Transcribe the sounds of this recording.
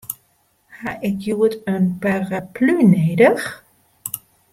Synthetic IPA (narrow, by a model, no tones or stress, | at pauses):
haʔɪkjuətənparaplyneːdəx